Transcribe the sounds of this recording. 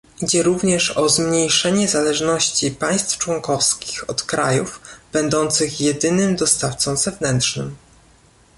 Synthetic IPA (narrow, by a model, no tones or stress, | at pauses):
id͡ʑɛɾuvɲɛʂɔzmɲejʂɛɲɛzalɛʐnɔɕt͡ɕipaj̃st̪ft͡ʂwɔŋkɔfskʲi̥xɔt̪kɾajuvb̥ɛnd̪ɔnt̪sɘxjɛd̪ɘnɘmd̪ɔst̪aft̪sɔ̃w̃zɛvnɛnt̪ʂnɘ̰m